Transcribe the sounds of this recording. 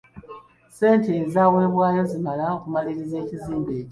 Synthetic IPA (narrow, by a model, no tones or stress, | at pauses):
se̞ːnteːzaːwe̞βwaːjo̞zimalaokumaliɾize̞ːciziːmbe̞ːci